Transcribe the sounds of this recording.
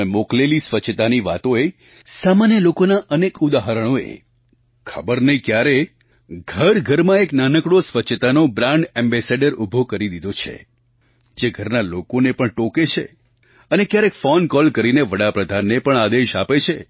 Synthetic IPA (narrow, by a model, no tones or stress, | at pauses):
emoklelisʋət͡ʃʃʰt̪aniʋa̰t̪oe | samanjəlokonaʔənekud̪aɦəɾəɽ̃oḛ | kʰəbəɾnəɦĩkjaɾe | ɡʱəɾɡʱəɾmãeknanəkɽosʋət͡ʃʰːt̪anobɾãɳɖẽmbɛseɖəɾubʱokəɾid̪id̪ʱot͡ʃʰḛ | d͡ʒeɡʱəɾnalokonepəɳʈoket͡ʃʰḛ | ənekjaɾekfɔnkɔlkəɾineʋəɽapɾəd̪ʱanːepəɳad̪eʃapet͡ʃʰe